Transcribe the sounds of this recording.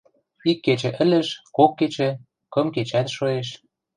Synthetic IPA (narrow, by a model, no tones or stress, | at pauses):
ikːet͡ɕɘ̆ʔɘ̆lə̆ʃkokːet͡ɕĕ | kɤ̆mket͡ɕæt̪ʃoeʃ